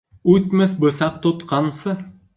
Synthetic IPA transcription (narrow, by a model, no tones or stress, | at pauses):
ʉt̪mɘθbɤ̆sɑq̚t̪ot̪qɑnsɤ